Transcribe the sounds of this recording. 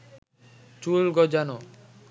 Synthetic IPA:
t͡ʃulɡɔd͡ʑano

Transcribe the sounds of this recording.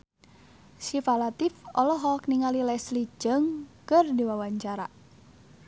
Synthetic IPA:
ʃifalat̪ifɔlɔɦɔk̚niŋalilɛsli̥d͡ʒəŋkərdiwawaɲt͡ʃaɾa̰

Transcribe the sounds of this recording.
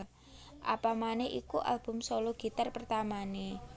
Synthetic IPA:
ʔa̰pamanɛhʔḭkuʔa̰lb̥ʊ̤msoloɡ̥i̤t̪arpərt̪amane

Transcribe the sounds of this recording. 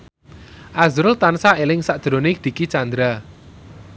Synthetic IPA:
ʔazɾʊlt̪ansaelɪŋsaʔd̥d̪̥ɾo̤nɪd̪̥i̤kit͡ʃand̪ɾa

